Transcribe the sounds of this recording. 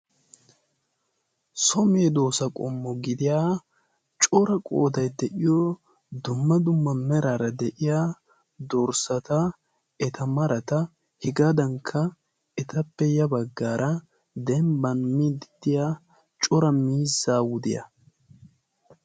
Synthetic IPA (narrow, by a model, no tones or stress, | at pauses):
sɔmeːd̪oːsɐkʼɔ̰mːɔɡɪd̪ɪjaː | t͡ʃʼɔɾɐkʼo̰ːd̪ɐjd̪ɛʔɪjɔ | d̪ʊmːɐd̪ʊmːɐmɛɾaɾɐd̪ɛʔɪjaː | d̪ɔɾsɐt̪ɐ | ɛt̪ʰɐmɐɾɐt̪ɐ | hɪɡɐd̪ɐŋkʰːɐ | ɛt̪ʰɐpːɛjɐbɐɡːaːɾʔɐ | d̪ɛmbɐnmid̪ɪd̪̥ɪjaː | t͡ʃʼɔɾɐmiːzːaːwʊd̪ɪ̰jɐ̰